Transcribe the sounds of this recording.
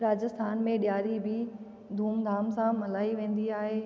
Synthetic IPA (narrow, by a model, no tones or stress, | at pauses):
ɾaːd͡ʑɪst̪ʰaːnmẽɗjaːɾibɪ | d̪ʱuːmd̪ʱaːmsãmɐlaːiʋẽːn̆d̪iaːɦeː